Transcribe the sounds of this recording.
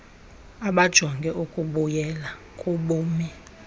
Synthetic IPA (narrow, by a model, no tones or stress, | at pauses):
aɓad̥ʒ̥ʱɔŋɡʱɛʔukʼuɓujɛla | kʼuɓuːmi